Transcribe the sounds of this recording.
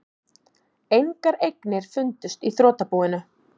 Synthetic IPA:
ejŋkaɾejknɪɾ̥fʏnt̪ʏst̪iθɾoːt̪apuwɪnʏ

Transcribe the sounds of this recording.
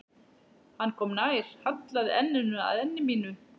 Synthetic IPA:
hanːkʰɔːmnaːjɾ̥hat̪laðɛ̰nːʏnʏa̰ðɛnːɪmiːnʏ

